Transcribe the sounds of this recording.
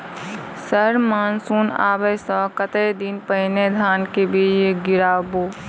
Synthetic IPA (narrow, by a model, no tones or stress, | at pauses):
səɾmaːnsuːna̰ːbəsə̃kət̪ed̪inpəɦɪned̪ʱaːnkebid͡ʒeɡɪɾaːboː